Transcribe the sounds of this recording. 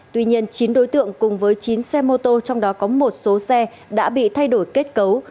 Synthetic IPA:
t̪wi˧ɲi˧ənt͡ɕi˨˦nɗo˨˦jt̪ɨ̰˧˨əŋkʊ˨˩ŋ͡mvəː˨˦jt͡ɕi˨˦nsɛ˧mo˧t̪o˧t͡ɕɔ˧wŋ͡mɗɔ˨˦kɔ˨˦mo˨˩t̚so˨˦sɛ˧ | ɗa̰ː˧˥ɓḭ˧˨t̪ʰa˧jɗo˧˩jke˦˥t̚kə˨˦w

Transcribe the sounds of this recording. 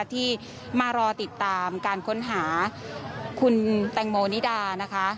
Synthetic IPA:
t̪ʰiː˥˩ | maː˧ɾɔː˧t̪i˨˩t̪ːaː˧mkaː˧nkʰo˦˥nɦaː˩˦ | kʰu˧nt̪ɛ˧ŋmoː˧ni˦˥daː˧na˦˥kʰa˦˥

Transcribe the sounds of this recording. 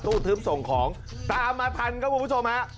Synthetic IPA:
t̪uː˥˩t̪ʰɯː˦˥mso˨˩ŋkʰɔː˩˦ŋ | t̪aː˧mːaː˧t̪ʰa˧nkʰa˥˩puː˧pʰːt͡ɕʰo˧mha˦˥ʔ

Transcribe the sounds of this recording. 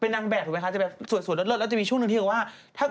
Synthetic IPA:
pe˧nːaː˧ŋbɛː˨˩˨m˧kʰa˦˥˩t͡ɕa˨˩bɛ˨˩su˨˩nsu˩˦nlt̪̚lo˥t̚lːt͡ɕa˨˩miː˧u˥˩ŋn˧t̪ʰi˧˩waː˥˩ | t̪ʰaː˥˩

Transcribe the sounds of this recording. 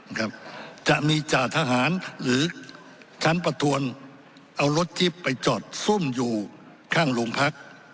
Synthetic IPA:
kʰa˦˥p̚t͡ɕa˨˩ʔmiː˧t͡ɕaː˨˩t̪ʰa˧ɦaː˩˦nɾɯː˨˦ | t͡ɕʰa˦˥npɾa˧t̪ʰu˧ən | ʔa˧wɾo˦˥t̪̚t͡ɕi˦˥pːa˧jt͡ɕɔː˨˩t̪̚su˥˩mjuː˨˩ | kʰaː˥˩ŋlo˧ŋpʰa˦˥k̚

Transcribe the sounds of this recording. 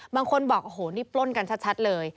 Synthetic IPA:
baː˧ŋkʰo˧nbɔː˨˩k̚ʔo˧˩ɦoː˩˦niː˦˥˩plo˥˩nka˧nt͡ɕʰa˦˥t̪̚t͡ɕʰa˦˥t̪̚lɤː˧j

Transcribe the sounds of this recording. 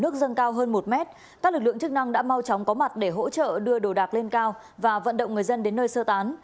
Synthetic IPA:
nɨ˦˥ək̚zə˧nkaː˧wɦəː˧nmo˨˩t̚mɛ˦˥t̚ | kaː˦˥k̚lɨ˨˩k̚ɨ̰˧˨ə˨ŋt͡ɕɨ˦˥k̚na˧ŋɗa̰ː˧˥ma˧wt͡ɕɔ˨˦wŋ͡mkɔ˨˦ma˨˩t̚ɗe˧˩ɦo̰˧˥t͡ɕə̰ː˧˨ɗɨ˧əɗo˧˩ɗaː˨˩k̚le˧nkaː˧w | vaː˨˩və̰˧˨nɗə̰˧˨wŋ͡mŋɨ˨˩əjzə˧nɗe˨˦nːəː˧jsəː˧t̪aː˨˦n

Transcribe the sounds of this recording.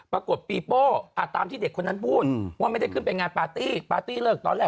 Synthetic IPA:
pɾa˧ku˨˩ət̪̚piː˧poː˥˩ʔaː˨˩aː˧mt̪ʰiː˥˩de˨˩kʰːo˧nːa˦˥npʰuː˥˩t̪̚ʰːm˥˩jda˥˩jkʰɯ˥˩pe˧nŋaː˧npaː˧t̪iː˥˩paː˧t̪iː˥˩lɤː˥˩k̚t̪ɔ̰ː˧nlɛː˨˩

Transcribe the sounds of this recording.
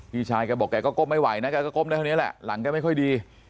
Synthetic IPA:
pʰiː˧˩t͡ɕʰaː˧jkaː˧bɔ˨˩kːɛː˧kɔː˥˩ko˥˩mːa˥˩jwa˨˩˦jna˦˥kɛ˧kɔː˥˩ko˥˩ma˧˥˩tʰa˥˩˨i˦˥˩lɛ̰˨˩ʔla̰˩˦ŋkɛː˧˩ma˥˩kɔ˥˩jdiː˧

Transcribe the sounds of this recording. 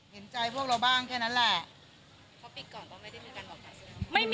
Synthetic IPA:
he˩˦nt͡ɕa˧jpʰu˥˩k̚ɾa˧wbaː˥˩ŋkʰɛː˥˩na˦˥nlɛ˨˩ʔʰ | ɔ˦˥pi˨˧kɔː˨˩nt̪ɔ˥˩ma˥˩da˥˩jmʰiː˧˩ka˧nɔ˨˩a˨˧˩ma˥˩jm

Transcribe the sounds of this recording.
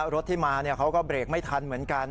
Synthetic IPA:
ɾo˦˥t̪ʰːiː˥˩maː˧ni˥˩ɐkʰa˦˥wkɔː˥˩bɾeː˨˩k̚ma˥˩jt̪ʰa˧nmɯ˩˦ənka˧n

